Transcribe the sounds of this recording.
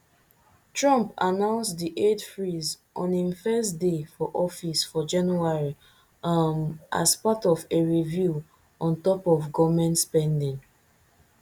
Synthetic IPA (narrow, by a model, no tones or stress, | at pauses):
tɹɔ̃mpanãʊ̃nsdiʔedfɹiz | ʔɔ̃nĩmfɛstdefɔʔɔfisfɔd͡ʒãnjuaɹi | amʔa̰spatɔveɹivju | ɔ̃ntɔpɔvɡɔvmɛ̃ntspɛ̃ndĩŋ